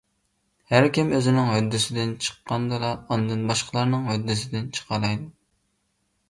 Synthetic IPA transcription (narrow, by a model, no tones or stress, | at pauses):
hæɾkʲimøzɪnɪŋɦød̪ːɪsɪd̪ɪnt͡ʃʰə̥qːɑnd̪ɨlˠɑɑnd̪ɨnbɑʃqʰəlˠɑɾnɨŋɦød̪ːɪsɪd̪ɪnt͡ʃʰə̥qʰɑlˠɑjd̪u